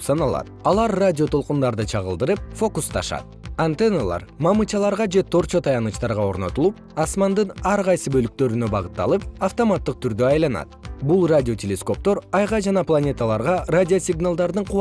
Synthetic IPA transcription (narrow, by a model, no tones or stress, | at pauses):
sɑnɑlˠɑ̰t̪̚ɑlˠɑɾradʲio̞t̪ʰo̞lˠqund̪ɑɾd̪ɯt͡ʃʰɑʁə̰lˠd̪ɯɾɯp̚fo̞kust̪ʰɑʃɑ̰t̪̚ant̪enalˠɑ̰ɾmɑmɯt͡ʃɑlˠɑɾʁɑd͡ʒe̞t̪ʰo̞ɾt͡ʃo̞t̪ʰɑjɑnɯt͡ʃt̪ɑɾʁɑo̞ɾno̞t̪ulˠup | ɑsmɑnd̪ɯnɑɾʁɑjsɯbø̞lyk̚t̪ø̞ɾynø̞bɑʁɯt̪ːɑ̰lˠɯp̚aft̪o̞mat̪ːɯq̚t̪ʰyɾd̪øɑjlˠɑnɑ̰t̪̚bulˠradʲɪo̞tʲelʲesko̞p̚t̪o̞ɾɑjʁɑd͡ʒɑnɑplˠanʲe̞t̪alˠɑɾʁɑradʲɪosʲɪɡnalˠd̪ɑɾd̪ɯɴqʰu